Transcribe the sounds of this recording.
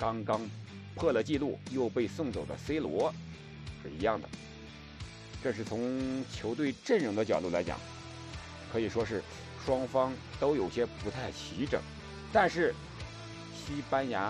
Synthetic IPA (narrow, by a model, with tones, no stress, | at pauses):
kɑ˥ŋkɑ˥ŋ | pʰɤ˥˩lə˩t͡ɕi˥˧lu˥˩jo˥˧ʊpe˥˧ɪsʊ˥˩ŋt͡so˨˩ʊd̪ə̰˦se˥ɪlwɔ˧˥ | ʂɻ̩˥˩i˧˥jɑ˥˩ŋd̪ə̰˩ | ʈ͡ʂɤ˥˧ʂɻ̩˥˩t͡sʰʊ˧˥ŋt͡ɕʰjo˧˥ʊt̪̬we˥˧ɪʈ͡ʂə˥˩nɻɤ˧˥ŋd̪ə˧t͡ɕjɑ˨˩ʊt̪u˥˩la˧˥ɪt͡ɕjɑ̰˨˩˦ŋ | kʰɤ˧˥i˨˩ʂwɔ˥ʂɻ̩˥˩ | ʂwɑ˥ŋfɑ˥ŋt̪o˥ʊjo˨˩ʊɕjɛ˥pu˧˥t̪ʰa˥˩ɪt͡ɕʰi˧˥ʈ͡ʂɤ̰˨˩˦ŋ | t̪a˥˧nʂɻ̩˥˩ | ɕi˥pa˥nja˧˥